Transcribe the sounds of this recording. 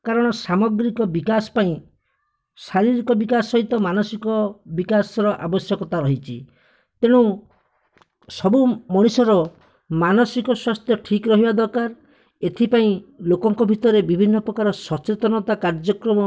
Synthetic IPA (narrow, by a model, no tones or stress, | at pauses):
kaɾɔɽ̃ɔsamɔɡɾikɔbikasɔ̥paĩ | saɾiɾikɔbikasɔɦit̪ɔmanɔsikɔbikasɔɾɔʔa̰bɔsjɔkɔt̪aɾɔɦit͡ʃʰi | t̪eɽ̃ũ | sɔbumɔɽ̃usɔɾɔ | manɔsikɔswast̪ʰjɔʈʰikɾɔɦibad̪ɔɾkaɾ | et̪ʰipaĩlokɔŋkɔbʱit̪ɔɾebibʱinːɔpɾɔkaɾɔsɔt͡ʃet̪ɔnɔt̪akaɾd͡ʒɔkɾɔmɔ